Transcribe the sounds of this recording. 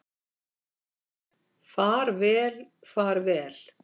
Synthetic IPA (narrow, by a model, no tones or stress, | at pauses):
faɾvɛːlfaːɾvɛːl̥